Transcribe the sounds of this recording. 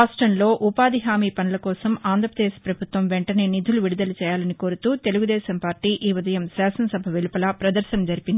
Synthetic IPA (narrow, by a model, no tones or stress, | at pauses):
aːsʈɾɐnlo̞ːʔupaːd̪iɦaːmiːpɐnɐlɐkɔːsɐmaːnd̪ɾɐpɾɐd̪eːʃpɾɐbʱut̪ʋɐmʋeɳʈɐne̞ːnid̪ʱuluʋiɽud̪ɐlɐt͡ʃɛːjaːlɐniko̞ːɾut̪uːt̪e̞luɡud̪ɛːʃɐmpaːɾʈiːʔiːʋud̪ɐjɐmsaːsɐnɐsɐbʱɐʋilupɐlɐpɾɐd̪ɐɾʃɐmd͡ʒɐɾipind̪i